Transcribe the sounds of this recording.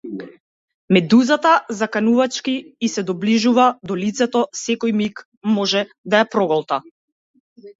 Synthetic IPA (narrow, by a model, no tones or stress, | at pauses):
mɛd̪uzat̪azakanuvat͡ʃkiːsɛd̪ɔbliʒuvad̪ɔlit̪sɛt̪ɔsɛkɔjmik | mɔʒɛ | d̪ajapɾɔɡɔlˠt̪a